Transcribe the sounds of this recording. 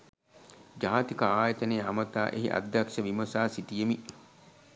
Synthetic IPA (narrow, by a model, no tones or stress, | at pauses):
d͡ʒaːt̪ikəaːjɐt̪ɐneːamɐt̪aːʔḛɦḭʔa̰d̪ʱjɐkʂɐʋimɐsaːsit̪ijemi